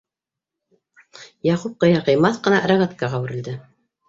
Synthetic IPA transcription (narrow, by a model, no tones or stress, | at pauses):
jɑqup̚qɤ̆jɑʁɤ̆jmɑθqɤ̆nɑɾaɣat̪kɑʁɑwɘ̆ɾɘ̆ld̪ɘ